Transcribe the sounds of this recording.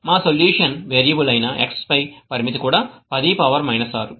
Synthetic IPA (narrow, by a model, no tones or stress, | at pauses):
maːsoljuːʂɐnʋeːɾjɐbulɐjnɐʔḛkspɐjpɐɾimit̪ikuːɽaːpɐd̪iːpɐʋɐɾmɐjnɐsaːɾu